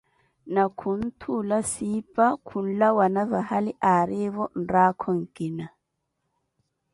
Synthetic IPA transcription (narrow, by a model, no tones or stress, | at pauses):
nakʰun̩tʰulasiːpʼakʰun̩lawanavahaliʔaɾeβɔn̩ɾaːkʰɔŋ̩kʼina